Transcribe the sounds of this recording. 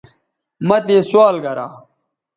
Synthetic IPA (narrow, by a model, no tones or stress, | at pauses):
mɐt̪eːswaːlɡɐɾa̰ː